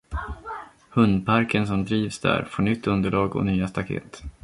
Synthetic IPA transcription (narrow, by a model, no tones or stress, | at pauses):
hɵnd̪pʰaɾkʰəns̬ɔmd̪ɾiːvsd̪æ̰ːɾfoːɳʏt̪ʰːɵnd̪əɭɑːɡɔ̰nyːast̪akʰḛːt̪